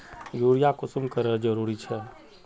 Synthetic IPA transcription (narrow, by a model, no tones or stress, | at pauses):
juːɾijakʊsʊmkəɾəɾd͡ʒəɾuɾit͡ʃʰɛ